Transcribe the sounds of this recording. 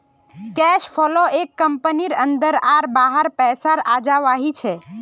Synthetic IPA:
kɛʃpʰɔloekːəmpəniɾənd̪əɾaɾbaɦəɾpɛsaɾad͡ʒaʋaɦit͡ʃʰɛ

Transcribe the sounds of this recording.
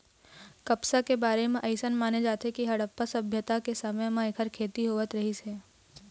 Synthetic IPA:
kɐpsakebaːɾemẽʔɐɪsənmaːned͡ʒaːt̪ekiɦɐɽəpːəsɐbʱjət̪akesɐməjmãekʰəɾkʰeːt̪iɦoːʋət̪ɾɐɦiseː

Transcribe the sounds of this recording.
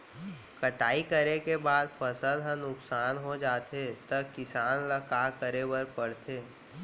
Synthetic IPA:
kəʈaːikəɾekebaːd̪pʰəsəlɦə̃nʊksaːnɦod͡ʒaːt̪et̪ɐkɪsaːnləkakəɾebəɾpəɽt̪ʰeː

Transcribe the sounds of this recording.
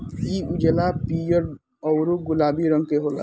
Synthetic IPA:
iud͡ʒelapijɔɾ | ɔwɾuɡulabiɾɔŋkeɦola̰

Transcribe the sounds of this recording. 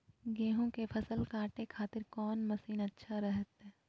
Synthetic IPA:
ɡẽːɦõkepʰɐsəlkãːʈekʰaːt̪ɪɾkɔːnmɐsiːnɐtːʃʰaɾɛɦət̪ɦɛː

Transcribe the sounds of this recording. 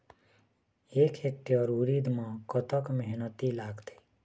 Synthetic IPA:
ekʰek̚ʈiɔɾuɾid̪mãkɔt̪əkmeɦnət̪ilaːɡt̪e̥

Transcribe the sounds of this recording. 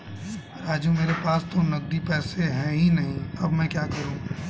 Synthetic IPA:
ɾaːd͡ʒumeːɾepaːst̪onɐɡ̚ɾipɛːseɦɛ̃ɦĩnɐɦĩɐbmɛ̃kjaːkɐɾũː

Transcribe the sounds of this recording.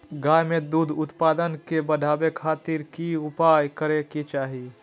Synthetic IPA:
ɡaːjmẽd̪ud̪ʱʊt̪paːd̪ənkebəd̪ʱaːbekʰaːt̪ɪɾkiʊpaːjkəɾekit͡ʃaːɦi

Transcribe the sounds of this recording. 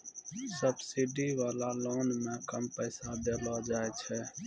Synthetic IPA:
səbsiɖiːʋaːlaːloːnmẽːkəmpəːsad̪eːloːd͡ʒaːet͡ʃʰɛː

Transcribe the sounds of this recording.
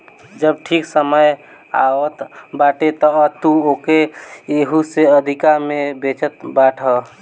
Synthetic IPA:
d͡ʒəb̚ʈʰiksəməj | a̰wət̪baʈet̪ɔət̪uokeeɦuseəd̪ʱikaɾmebet͡ʃət̪baʈʰə

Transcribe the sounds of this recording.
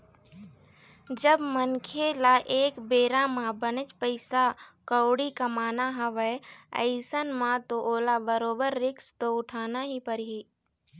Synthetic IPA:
d͡ʒəbmənkʰelaʔeːkbeːɾãmãbənət͡ʃpəɪsakəwɽikɐmaːnaɦɐʋəə̰ɪsənmãt̪oʔoːlabəɾoːbəɾːɪkst̪oʊʈʰaːnaɦipəɾɦiː

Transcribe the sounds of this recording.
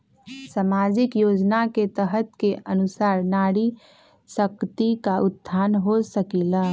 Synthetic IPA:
samad͡ʒɪkjoːd͡ʒnaket̪əɦət̪keʔənusaːɾnaɽi | səkt̪ikaʊt̪ːʰanɦosəkila

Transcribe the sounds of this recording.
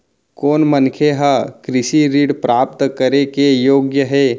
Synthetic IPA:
koːnmənkʰeɦakɾɪʃiɾiːɽpɾaːp̚t̪kəɾekejoːɡjəɦɛː

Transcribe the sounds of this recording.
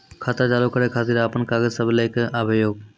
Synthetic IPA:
kʰat̪at͡ʃaːlukəɾekʰaːt̪iɾaːpənkaːɡəzsəblaɪkəbʱjoːɡ

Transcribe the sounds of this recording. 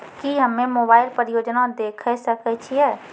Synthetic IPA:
kiɦəmːẽmoːbaːɪlpəɾɪjoːd͡ʒnad̪eːkʰəsəkət͡ʃʰiɛː

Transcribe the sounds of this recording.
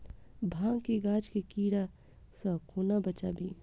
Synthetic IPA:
bʱãːŋɡkeɡaːd͡ʒkekiːɽa | səkʰuːnabət͡ʃabʱiː

